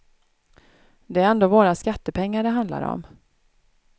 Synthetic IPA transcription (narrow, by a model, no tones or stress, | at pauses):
d̪ɛæɾɛnd̪oːvoːɾaskat̪ːəpʰɛŋːaɖɛɦand̪la̰ɾɔ̰m